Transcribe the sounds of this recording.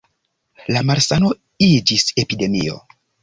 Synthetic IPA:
lamaɾsano̞ | id͡ʒise̞pide̞mḭo̞̰

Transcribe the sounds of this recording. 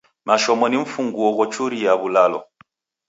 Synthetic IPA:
maʃɔmɔniɱ̩fuŋɡuɔɣɔt͡ʃuɾijaβulalɔ̰

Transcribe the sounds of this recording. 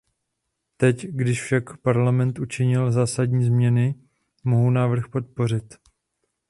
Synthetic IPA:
t̪ɛcɡdɪʃfʃakpaɾlamɛnt̪ʔut͡ʃɪɲɪlzaːsadɲiːzmɲɛnɪ | mo̞ɦunaːvr̩xpo̞t̪̚po̞ɾ̝ɪt̪

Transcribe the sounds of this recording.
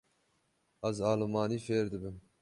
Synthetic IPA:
æzɑːlɨmɑːniːfeːɾd̪ɨbɨm

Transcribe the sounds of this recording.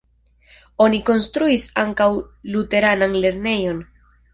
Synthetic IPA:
o̞niko̞nstɾuisa̰ŋkawlute̞ɾananle̞ɾne̞jo̞n

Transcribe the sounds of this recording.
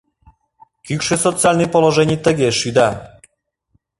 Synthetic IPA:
kykʃesot̪t͡sɨalʲnɨjpoloʒɛnʲijt̪ə̆ɣeʃyd̪ɑ

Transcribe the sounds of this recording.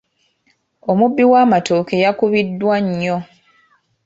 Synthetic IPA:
omubːiwaːmatoːke̞jakuβidːwaɲːo

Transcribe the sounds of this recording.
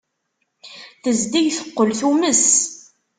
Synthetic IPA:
θəzd̪ijθə̥qːəlθuməs

